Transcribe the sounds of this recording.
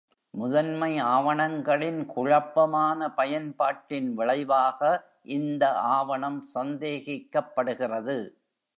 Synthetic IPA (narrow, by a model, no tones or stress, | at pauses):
mʊðɐnmɐɪaːʋɐɳɐŋɡɐɭɪnkʊɻɐpːɐmaːnɐpɐjɐnpaːʈːɪnʋɪɭɐɪʋaːɣɐ | ʔɪnd̪ɐʔaːʋɐɳɐmsɐnd̪eːɣɪkːɐpːɐɽɯɣɪrɐðɯ